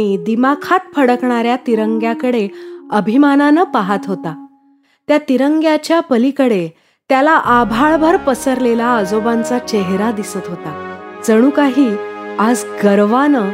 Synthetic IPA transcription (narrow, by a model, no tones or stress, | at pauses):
id̪imakʰat̪̚pʰəɽəkɳaɾjat̪iɾəŋɡjakəɽeəbʱimananəpaɦat̪ɦot̪a | t̪jat̪iɾəŋɡjat͡ɕjapəlikəɽe | t̪jalaʔabʱaɭbʱəɾpəsəɾlelaəd͡zobãnt͡sat͡ɕeɦɾad̪isət̪ɦot̪ad͡zəɽ̃uːkaɦiːad͡zɡəɾʋanə